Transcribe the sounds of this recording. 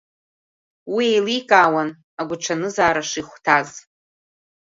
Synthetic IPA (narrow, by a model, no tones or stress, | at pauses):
wiejlikʼaːwan | aɡʷʊʈ͡ʂʰanɨzaːɾaʂiχʷtʰaz